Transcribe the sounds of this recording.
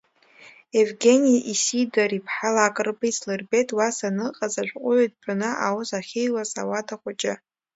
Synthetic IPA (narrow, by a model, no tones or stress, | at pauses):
evɡʲenijaʔisidaɾipʰħalakʼɨrbaislɨrbetʼwasanɨqʼazaʒʷqʷʼʊʕjtʼpʰʷʼanɨʔa̰wʊzaχʲejlasa̰watʰaχʷat͡ʃʼɪ